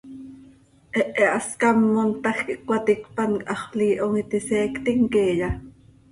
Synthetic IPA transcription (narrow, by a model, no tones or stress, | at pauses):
ʔɛʔɛʔɑskɑmːont̪ɑxkiʔkwɑt̪ikpɑnkʼʔɑχliːʔoŋit̪isɛːkt̪iŋkeːjɑ